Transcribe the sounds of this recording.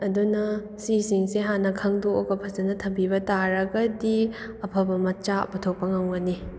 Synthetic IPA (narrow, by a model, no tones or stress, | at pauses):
ɐdunɐ | sisiŋseɦanɐkʰɐŋduoɡɐpʰɐzɐnɐtʰɐbibɐtaɾɐɡɐdi | ɐpʰɐbɐmɐt͡ʃapɐtʰok̚pɐŋaŋɡɐni